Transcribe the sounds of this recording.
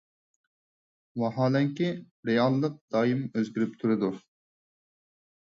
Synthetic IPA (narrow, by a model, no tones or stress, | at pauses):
wɑɦɑːlɛŋkʲi | ɾejɑlˠːəq̚d̪ɑːjimøzɡʲyɾyp̚t̪ʰuɾɨd̪u